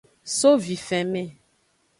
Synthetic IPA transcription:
so˦vi˨fɛ˨mɛ̃˦˨

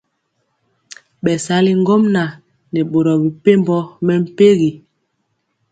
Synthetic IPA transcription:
ɓɛ˨sa˨˦li˦ŋ˦ɡɔ˦mna˨ | nɛ˨ɓo˨ɾɔ˨bi˨pe˦mbɔ˦mɛ˦m̩˦pe˦ɣi˨

